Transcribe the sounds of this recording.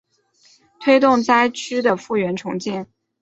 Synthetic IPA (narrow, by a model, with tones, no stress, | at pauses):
t̪ʰwe˥ɪt̪ʊ˥˧ŋt͡sa˥ɪt͡ɕʰy˥d̪ə˨fu˥˩ɥɛ˧˥nʈ͡ʂʰʊ˧˥ŋt͡ɕɛ˥˩n